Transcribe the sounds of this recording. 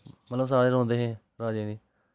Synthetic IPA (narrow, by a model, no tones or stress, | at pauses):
mət̪ləbs̬aːɾeːɾõːnd̪eːɦɛ̃ː | ɾaːd͡ʒẽːd̪iː